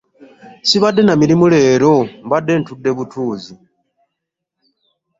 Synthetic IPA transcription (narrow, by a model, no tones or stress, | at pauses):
siβadːe̞namiɾimule̞ːɾo̞mbadːe̞ntudːe̞βutʰuːzi